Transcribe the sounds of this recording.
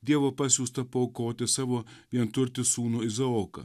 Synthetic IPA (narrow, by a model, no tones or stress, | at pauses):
d̪ʲiɛʋoːpɐsʲuːst̪ɐpoːkoːt̪ʲɪsɑːʋoːʋʲiɛnt̪ʊɾʲt̪ʲɪsuːnuɪzɐoːkɐ̰